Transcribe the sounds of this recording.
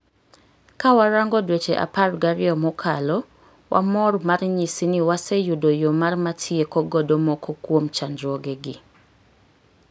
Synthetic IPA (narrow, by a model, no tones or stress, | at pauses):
kawaɾaŋɡɔdwet͡ʃeʔa̰parɡaɾɪɔmɔkʰalɔ | wʔa̰mɔɾmarɲisiniwasejudojomarmatʰjekɔɡɔdomɔkʰokwomt͡ʃandɾoɡeɡɪ